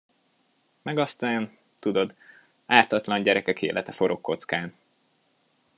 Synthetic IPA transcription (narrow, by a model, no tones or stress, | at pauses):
mɛɡɒst̪aːn | t̪ud̪o̞d̪ | aːt̪ɒt̪lɒɲɟɛɾɛkɛkḛːlʔɛt̪ɛfo̞ɾo̞kːo̞t̪skaːn